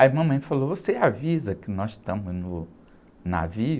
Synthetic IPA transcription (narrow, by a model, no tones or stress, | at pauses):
ɐimɐ̃mɐ̃j̃falovoseavizɐkɪnɔst̪ɐ̃mʊznʊ | na̰vi